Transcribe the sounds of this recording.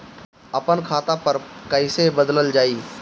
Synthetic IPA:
ɐpənkʰaːt̪apɐɾkəɪsebəd̪ləld͡ʒaːiː

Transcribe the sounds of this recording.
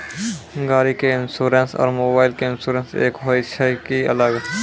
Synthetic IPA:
ɡaːɾikeɪnsuːɾensɔ̰ːɾmoːbaːɪlkeɪnsuːɾə̃nsḛːkɦoɪʃakiɐ̰ləɡ

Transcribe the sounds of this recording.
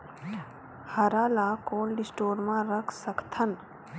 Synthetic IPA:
hɐɾaːlakoːnɖɪsʈoːɾmãɾəkʰsəkt̪ʰən

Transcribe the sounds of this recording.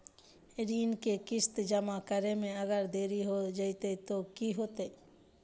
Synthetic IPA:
ɾinkekist̪d͡ʒəmakəɾemẽəɡəɾd̪eɾiɦod͡ʒajt̪et̪okiɦot̪e

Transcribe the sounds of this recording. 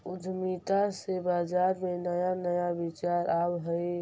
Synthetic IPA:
ʊd̪ʱmit̪asebaːd͡ʒaːɾmẽnəjanəjabit͡ʃaːɾaːbɦəi

